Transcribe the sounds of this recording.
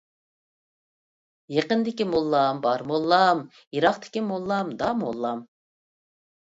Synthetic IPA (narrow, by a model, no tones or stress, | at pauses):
jeqənd̪ɪkʲimolˠːɑmbɑɾmolˠːɑm | jiɾɑχt̪ʰɪ̥kʲimolˠːɑmd̪ɑmolˠːɑm